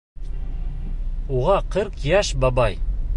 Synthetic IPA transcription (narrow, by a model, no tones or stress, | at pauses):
uʁɑqɤɾqjæʃbɑbɑj